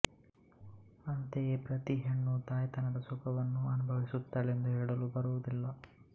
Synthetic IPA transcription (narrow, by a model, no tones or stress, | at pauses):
ɐnt̪ejepɾɐt̪iɦeɳːud̪aːjɐt̪ɐnɐd̪ɐsukɐʋɐnːuɐnubʱɐʋisut̪ːaːɭend̪uɦɛːɽɐlubɐɾuʋud̪ilːɐ